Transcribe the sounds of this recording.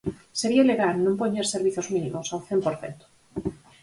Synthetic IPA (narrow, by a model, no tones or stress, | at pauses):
seɾialeɣalnõmpoɲeɾseɾβ̞iθozmĩnĩmosawθempoɾθḛnt̪o̥